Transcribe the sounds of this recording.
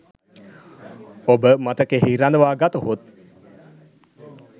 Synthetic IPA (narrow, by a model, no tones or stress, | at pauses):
obəmat̪əkeɦiɾand̪əʋaːɡat̪uɦut̪̚